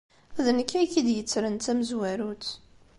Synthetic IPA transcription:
ðnəkːæjkid̪jət͡sːɾənt̪æməzwæɾut͡s

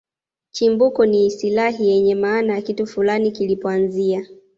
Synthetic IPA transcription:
t͡ʃimbukɔnisilaɦijɛɲɛmaːnajakitufulanikilipɔanzia

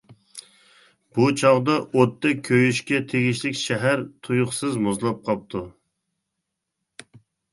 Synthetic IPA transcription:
b̥ut͡ʃʰɑʁd̪ɑʔot̪ːɛkʲʰːøjyʃkʲɛt̪ʰeɡʲiʃlɪkʲʃɛɦæɾt̪ʰujʊχsɨzmuzlˠɑp̚qʰɑp̚t̪ʰu

